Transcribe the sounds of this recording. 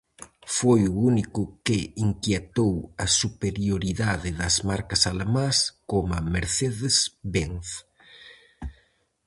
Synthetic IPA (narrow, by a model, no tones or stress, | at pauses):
fojuunikʊkɪiŋkjet̪owɐsupeɾjoɾiðaðɪðɐzmaɾkɐsalamaskomameɾθeðesbeŋθ